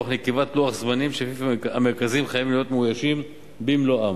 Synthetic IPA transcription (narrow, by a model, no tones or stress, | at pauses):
aχnekevat̪loaχzmanimʃefifameʁkazimχajavimlijo̞t̪meujaʃim | bimloam